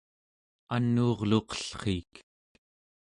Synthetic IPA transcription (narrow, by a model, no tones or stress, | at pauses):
anːuːʁloqʌ̥ɬχiːk